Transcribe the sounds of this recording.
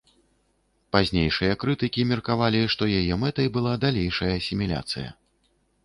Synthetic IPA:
pazʲnʲejʂɨjɐkɾɨt̪ɨkʲimʲɛrkavalʲiʂt̪ɔjajɛmɛt̪ɐjbɨlˠad̪alʲejʂɐjɐːsʲimʲilʲa̰t̪sɨjɐ̰

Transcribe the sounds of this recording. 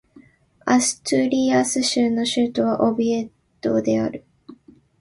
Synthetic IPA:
asɨ̥t̪ɨɾʲiasɨɕɨːnːo̞ɕɨːt̪o̞βaʔo̞bie̞t̪ːo̞̰d̪e̞a̰ɾɯ̟

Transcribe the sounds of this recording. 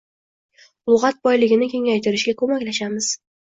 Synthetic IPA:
ʊlˠʁɑt̪̚bɒjlɪɡʲɪnɪkʲʰe̞ŋajt̪ʰɪɾɪʃɡʲakʰɵmakʲlaʃamɪz̥

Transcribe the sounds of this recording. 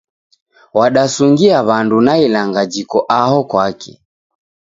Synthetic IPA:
waɗasuŋɡiaβandunailaŋɡad͡ʒikɔʔaɦɔkwakɛ̰

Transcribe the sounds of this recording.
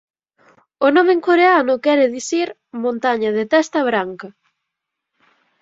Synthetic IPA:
ʊnɔmeŋkoɾeanʊkɛɾɪðiθiɾ | mõnt̪aɲɐðɪt̪ɛst̪ɐβɾaŋkɐ

